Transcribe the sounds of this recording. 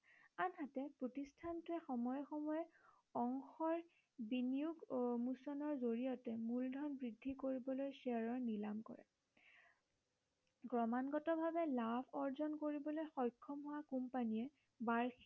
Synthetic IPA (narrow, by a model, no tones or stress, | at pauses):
anɦatɛpɹotistʰantʊɛxɔmɔjɔxɔmɔjɛ | ɔŋxɔɹ | binijuɡmusɔnɔɹzoɹijɔtɛmuldʱɔnbɹidʱːikoɹibɔlojsɛaɹɔɹnilamkɔ̰ɹɛ̰ | ɡɹɔmanɡɔtɔbʱabɛlabʰʱɔɹzɔnkoɹibɔlojxɔjkʰːɔmɦʊwakumpaniɛ | baɹx